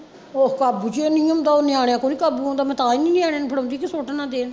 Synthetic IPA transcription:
oːkabut͡ʃeːnĩːõːnd̪aːoːnɪaːɽejaːkoːniːkabuːõːnd̪aːmɛ̃ːt̪aːiːnĩːnɪaːɽeaːnpʰəɽõːnd̪iːkɪsoːʈːnãːd̪eːn

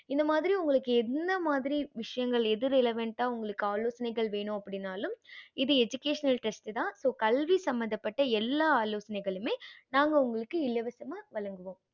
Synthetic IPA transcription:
ɪnd̪ɐmaːðɪɾiʊŋɡɐɭɯkːɯɛnd̪ɐmaːðɪɾiʋɪʂɐjɐŋɡɐɭɛðɯɾɪlɐʋɐɳʈaːʊŋɡɐɭɯkːɯaːloːsɐnɐɪɣɐɭʋeːɳʊ̃ɐpːɐɽɪnːaːlɯmɪðɯɛd͡ʒʊkeːʂɐnɐlʈɐsʈt̪ãːsoːkɐlʋisɐmbɐnd̪ɐpːɐʈːɐɛlːaːaːloːsɐnɐɪɣɐɭɯmeːnaːŋɡɐʊŋɡɐɭɯkːɯɪlːɐʋɐsɐmaːʋɐɭɐŋɡɯʋõːm

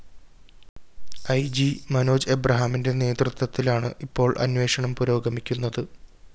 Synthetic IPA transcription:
ɐjd͡ʑimɐno̞ːd͡ʑebrɐɦaminde̞ne̞ːd̪rut̪wɐt̪ːilaːɳɨ̰ʔipːo̞ːɭʔɐ̰nʋe̞ːʂɐɳɐmpuɾo̞ːɡɐmikʲːunːɐðɨ

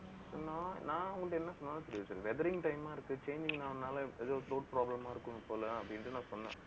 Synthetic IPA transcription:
soːnãːnãːʊŋɡɐʈːɛnːɐsɔnːaːnɐsɐɾɪjʋɐsɾʋɛðɐɾɪŋʈɐɪmaːɪɾɯkːɯt͡ʃeːɲd͡ʒɪŋnaːnːaːlɐɛðoːt̪ɾoːʈ̚pɾaːblɐmaːɪɾɯkːɯnɯpoːlɐ̃ɐpːɐɽɪnʈːɯnãːsɔnːã̰ː

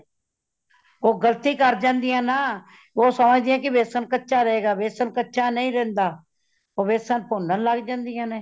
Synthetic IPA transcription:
oːɡəlt̪iːkəɾd͡ʒãːnd̪ijãːnaː | oːsəməd͡ʒd̪iːãːkɪʋeːsənkətːʃaːɾəeːɡaːʋeːsənkətːʃaːnəĩːɾɛ̃ːnd̪aː | oːʋeːsənpoːnənlaɡd͡ʒãːnd̪ɪjãːneː

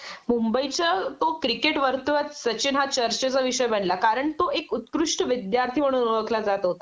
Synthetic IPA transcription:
mumbəit͡ɕət̪okɾikeʈʋəɾt̪uʋət͡ssət͡ɕinɦat͡ɕəɾt͡ɕet͡səʋiʂəjbəɳlakaɾəɳt̪oekut̪kɾuʂʈəʋid̪jaɾt̪ʰiʋəɽ̃uɾʋəklad͡zat̪əɦot̪a

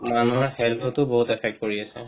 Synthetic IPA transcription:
manuaɹhɛlpʰɔtʊboɦutɛpʰɛk̚t̚koɹiasɛ̰

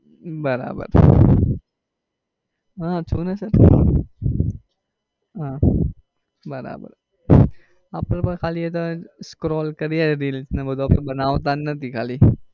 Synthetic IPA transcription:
bɐɾa̰ːbə̰ɾ | ɦãːt͡ʃʰuːnɛsɐɾ | ãː | bɐɾa̰ːbə̰ɾ | aːpːɐɾpɐɾkʰaːliɛt̪oskɾɔːlkɐɾiɛɾiːlsnẽbɐd̪oaːpɐbɐnaːot̪̬anːɐt̪ikʰaːli

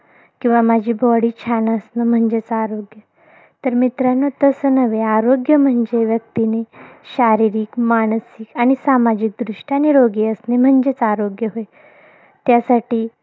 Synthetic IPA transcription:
kĩw̃ʋamad͡ʑʱiːbɔɽiːt͡ɕʰanaəsnəm̤əɳd͡ʑet͡saɾoɡjə | t̪əɾmit̪ɾanɔt̪əsənəʋeaɾoɡjəm̤əɳd͡ʑeʋjək̚t̪ineɕaɾiɾiːkmaɽ̃sikaɽ̃isamad͡ʑik̚d̪ɾuʂʈaaniɾoɡiəsnem̤əɳd͡ʑet͡saɾoɡjəɦoj | t̪jasaʈiː

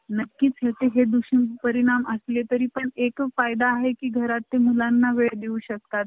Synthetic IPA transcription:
nəkːiːt͡sɦet̪eɦed̪uɕimpəɾiɽ̃aməslet̪əɾiːpəɳekfajd̪aːɦekiːɡʱəɾat̪ːemulanːaʋeɭd̪eũɕək̚t̪at̪̚

